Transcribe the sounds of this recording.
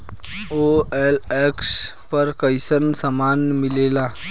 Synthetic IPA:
oːɛːlɛːkspɐɾkəɪsəɾnsəmaːnmɪleːlaː

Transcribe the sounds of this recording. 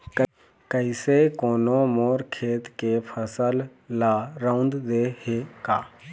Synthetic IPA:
kə | kəɪsekoːnomoːɾkʰeːt̪kepʰəsəlːaːɾãnd̪d̪eːhekaː

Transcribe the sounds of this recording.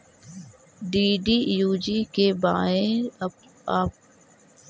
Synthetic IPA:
ɖiːɖiːjuːd͡ʒiːkeːba̰ːẽ | aːp̚

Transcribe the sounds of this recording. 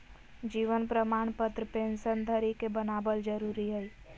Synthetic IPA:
d͡ʒiːʋənpɾəmaːɳ̃pət̪ɾəpẽːnsənd̪ʱəɾikebənaːbəld͡ʒəɾuːɾiɦɛi

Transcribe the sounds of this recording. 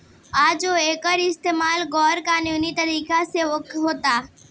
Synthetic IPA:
ad͡ʒoekəɾɪst̪emalɡɔɾkanjonit̪əɾiːkaseʋəkɦoːt̪a

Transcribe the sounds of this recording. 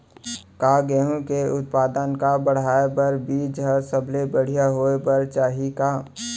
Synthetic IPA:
kaːɡeɦõkeʊt̪̚paːd̪ənkabəɽ̤aːebəɾbiːd͡ʒɦəɾsəbʱlebəɽ̤ijaɦoːebəɾt͡ʃaːɦikaː

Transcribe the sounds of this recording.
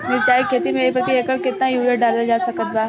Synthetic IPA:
mɪɾt͡ʃaːɦikʰeːt̪imeipɾət̪ieːkəɾkɪt̪najuːiəɖaːlad͡ʒaːsɐkət̪̚baː

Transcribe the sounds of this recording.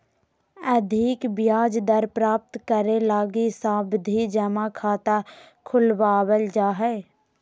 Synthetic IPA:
əd̪ʱɪkbɪjaːd͡ʒd̪əɾpɾaːp̚t̪kəɾelaːɡisaːbd̪ʱid͡ʒəmakʰaːt̪a | kʰʊlʋaːwəld͡ʒaːɦɛː

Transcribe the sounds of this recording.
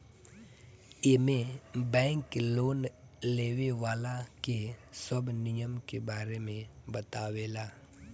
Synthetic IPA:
emẽbɛ̃ːŋkloːnleːʋeʋaːlakesəbnɪjəmkebaːɾemẽbət̪aːʋeːlaː

